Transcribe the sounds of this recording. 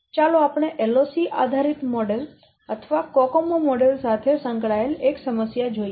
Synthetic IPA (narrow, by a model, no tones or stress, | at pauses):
t͡ʃaloapɽ̃eʔelosiʔa̰d̪ʱaɾit̪mɔɖel | ət̪ʰəʋakɔkomomɔɖelsat̪ʰesə̃ŋkɭaeleksəməsjad͡ʒoije